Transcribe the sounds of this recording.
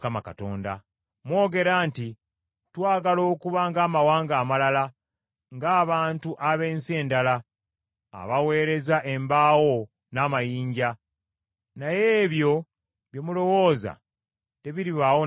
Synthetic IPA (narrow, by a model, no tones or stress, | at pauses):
kamaka̰to̞̰ːnda̰ | mwo̞ːɡe̞ɾaːnti | twaːɡalo̞ːkuβaŋɡaːmawaːŋɡaːmalala | ŋɡaːβaːntuʔaβe̞ːnse̞ːndala | a̰βawe̞ːɾe̞zaʔe̞mbaːwo̞ | naːmajiːɲɟa | najeːβjo̞ | βjomulo̞wo̞ːza̰ | te̞βiɾiβawo